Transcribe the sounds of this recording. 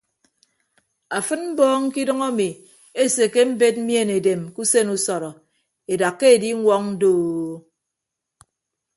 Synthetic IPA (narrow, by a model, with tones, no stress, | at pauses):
a˨fɨ˦nm̩˦bɔː˦ŋ̩˦ki˦dʌ˦ŋa˦mi˨ | e˦se˨ke˦m̩˦be˦t̚m̩˦mje˦˨ne˨de˨mku˦se˦nu˦sɔ˨ɾɔ˨ | e˨da˨kːe˦e˨di˦ŋʷɔ˦ŋn̩˦doː˦˨˦